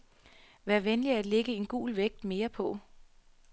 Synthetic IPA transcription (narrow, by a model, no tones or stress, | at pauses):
ʋæːɐʋenliæd̥le̝ɡ̥əe̝nɡ̥ṵːlʋeɡ̥̚d̥me̝ːɐpʰɒ̽